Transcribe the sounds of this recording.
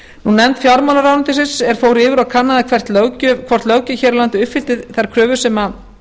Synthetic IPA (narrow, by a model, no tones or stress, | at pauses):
nunːɛnt̪fjawɾmawlaɾawnʏnt̪ɪsɪnsɛɾ̥foːwɾɪːvɪɾawkʰanːaðakʰvɛr̥t̪lœcʏkʰvɔr̥t̪lœwcɪçɛːɾlant̪ɪʏpfɪlt̪ɪðθaɾkʰɾœːvʏ̥sɛma